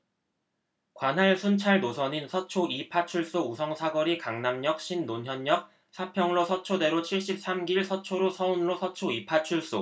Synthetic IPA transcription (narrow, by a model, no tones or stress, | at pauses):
kwanɦaɭsʰunt͡ɕʰaɭdosʰʌɲinsʰʌt͡ɕʰoipʰat͡ɕʰuɭs͈ousʰʌŋsʰaɡʌɾikaŋnamɲʌk̚ɕ͈ʰinːoɲɦjʌɲːʌk̚ | sʰapʰjʌŋɾosʰʌt͡ɕʰode̞ɾot͡ɕʰiɭɕ͈ip̚s͈amɡiɭsʰʌt͡ɕʰoɾosʰʌunɯɾosʰʌt͡ɕʰoipʰat͡ɕʰuɭs͈o